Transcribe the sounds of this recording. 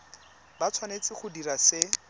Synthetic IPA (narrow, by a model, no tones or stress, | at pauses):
bat͡sʰwanet͡sɪχʊdirasɪ